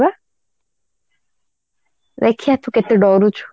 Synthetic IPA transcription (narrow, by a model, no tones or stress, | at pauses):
a | ɾekʰijat̪ʰuket̪eɖɔːɾut͡ʃʰu̥